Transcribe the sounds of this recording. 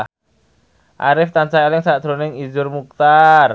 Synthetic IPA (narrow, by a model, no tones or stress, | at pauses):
ʔa̰ɾɪft̪ant͡ʃaelɪŋsad̪̥ɾonɪŋizʊrmuk̚t̪ar